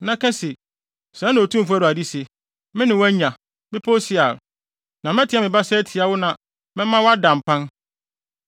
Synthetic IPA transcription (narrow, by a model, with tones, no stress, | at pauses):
nã˦kʰɛ̃˦se˨ | sã˨˦nːã˨o˨tũ˦m̩˨fu˦æ˦ɾʊ˨a˨di˦se˨ | mɪ̃˦nɪ̃˨wa˦ɲã˨ | bɪ˦pʰo˦sɪ˨a˨ɾ | nã˨m˦ɛ˦tʰɪ˦a˦mɪ̃˨ba˦sɛ˦tʰi˨a˨wʊ˦nã˨ | mɛ̃˦mã˦wɔ˦a˦dã˨m̩˨pʰã˦n